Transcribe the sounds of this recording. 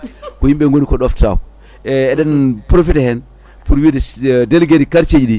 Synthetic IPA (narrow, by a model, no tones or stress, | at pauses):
kojimɓɛŋɡonikɔɗɔfta̰wu | ɛːɗanpɾofithɛn | puɾwiddelɡeɾikaɾt͡ʃed͡ʒiɗi